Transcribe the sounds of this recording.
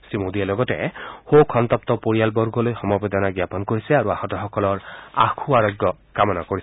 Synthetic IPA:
sɹimod̪ialɔɡɔtɛ̰hokʰɔnt̪ɔp̚t̪ɔpoɹijalbɔɹɡɔlojxɔmɔbed̪ɔnaɡjapɔnkoɹisɛaɹuahɔtɔxɔkɔlɔɹa̰kʰuaɹɔɡjɔ | kamɔnakoɹisɛ

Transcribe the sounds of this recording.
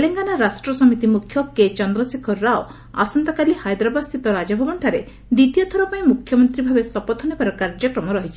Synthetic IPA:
eleŋɡanaɾasʈɾɔsɔmit̪imukʰːjɔket͡ʃɔnd̪ɾɔsikʰɔːao | a̰sɔnt̪ɔkalihajd̪ɾɔbast̪ʰit̪ɔɾad͡ʒɔbʱɔbɔɳʈʰaɾe | d̪it̪ijɔt̪ʰɔɾɔpaĩmukʰjɔmɔnt̪ɾibʱabesɔpɔt̪ʰɔnibaɾɔkaɾd͡ʒɔkɾɔmɔɾɔɦit͡ʃʰi̥

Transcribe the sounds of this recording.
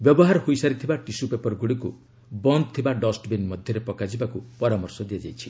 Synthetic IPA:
bjɔbɔɦaɾhojsaɾit̪ʰibaʈisupepɔɾɡuɽiku | bɔnd̪̚t̪ʰibaɖɔsʈbenmɔd̪ʱjɔɾepɔkad͡ʒibakupɔɾamɔɾsɔd̪iad͡ʒa̰jt͡ʃʰi̥

